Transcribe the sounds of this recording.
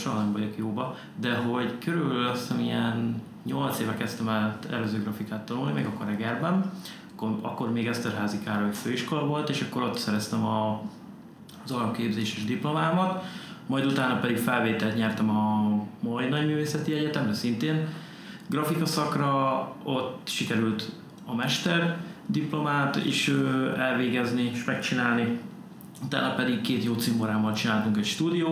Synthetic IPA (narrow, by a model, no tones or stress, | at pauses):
ʃolnɛɱvɒɟo̞kjoːbɒ | d̪ɛɦo̞ɟkøɾybɛllɒst̪ɛmijɛn | ɲo̞lt̪seːvɛkɛst̪ɛmɛlt̪ɛ̰løːzøːɡrɒfikaːt̪ːɒnulnimɛɡɒkːorɛɡɛrbɛn | kːoɒ̰kːo̞rmeːɡɛst̪ɛrɦaːzikaːɾɒocføːiʃkolɒvo̞lt̪eːʃɒkːo̞ɾo̞t̪sɛɾɛst̪ɛmɒ | zɒɾkeːbzeːʃeːʒd̪iplo̞maːmɒt̪mɒjd̪ut̪aːnɒpɛd̪ikfɛlveːt̪ɛlt̪ɲɛrt̪ɛmɒmɒinɒɟmyːveːsɛt̪iɛɟɛt̪ɛmrɛsint̪eːn | ɡrɒfikɒsɒkrɒot̪ːʃikɛɾylt̪ | ɒmɛʃt̪ɛrd̪iplo̞maːt̪ḛːʃøɛlveːɡɛznieʃmɛk̚t͡ʃinaːlni | ut̪a̰ːnːɒpɛd̪ikkeːt̪joːt̪simoɾaːmɒlt͡ʃinaːlt̪uŋkɛcʃt̪uːd̪ijoː